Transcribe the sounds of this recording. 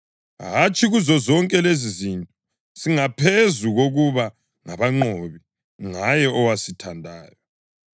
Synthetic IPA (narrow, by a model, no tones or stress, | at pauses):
ɦat͡ʃʼiɣuzɔzɔŋkʼɛlezizintʼɔ | siŋapʰezuɣoɣuβa | ŋaβaŋ͡ǀooβi | ŋajɛɔwasitʰandʱaːjɔ